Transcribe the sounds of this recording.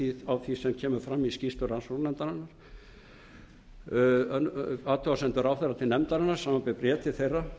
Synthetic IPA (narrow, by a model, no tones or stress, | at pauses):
iavθisɛmcʰɛːmʏɾfɾamːiscist̪ʏɾansunɛmt̪aɾɪnːaɾ̥ | at̪ʰɔasɛnt̪ʏɾawθejɾrːat̪ʰɪlnɛmt̪aɾɪnːaɾ̥saːmapɪpɾjɛːt̪ɪθejra